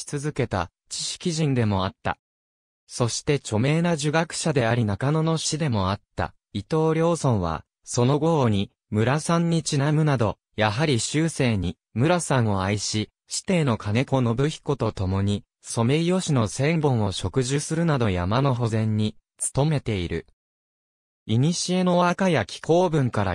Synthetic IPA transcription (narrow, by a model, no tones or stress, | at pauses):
i̥t͡sɨzɨke̞t̪a̰ | t͡ɕi̥ɕi̥kʲiʑĩnd̪e̞mo̞at̪ːa̰ | so̞ɕi̥t̪e̞t͡ɕo̞me̞ːnaʑɨɡakɯ̟̥ɕad̪e̞aɾʲinakano̞no̞ɕid̪e̞mo̞at̪ːa̰ | it̪o̞ːɾʲjo̞ːsõ̞ɰ̃βa̰ | so̞no̞ɡo̞oɲ̟i | mɯ̟ɾasãɲ̟ːit͡ɕinamɯ̟nad̪o̞ | jaɦaɾʲiɕɨːse̞ːɲ̟i | mɯ̟ɾasãɰ̃o̞aiɕi | ɕi̥t̪e̞ːno̞kʰane̞ko̞no̞bɯ̟çi̥ko̞t̪o̞t̪o̞mo̞ɲ̟i | so̞me̞ijo̞ɕino̞sẽ̞mbõ̞ɰ̃o̞ɕo̞kɯ̟ʑɨsɨɾɯ̟nad̪o̞ja̰mano̞ɦo̞zẽ̞ɲ̟ːi | t͡sɨ̥t̪o̞me̞t̪e̞iɾɯ̟̰ | iɲ̟iɕie̞no̞βakajakʲi̥ko̞ːbɯ̟̃ŋkaɾa̰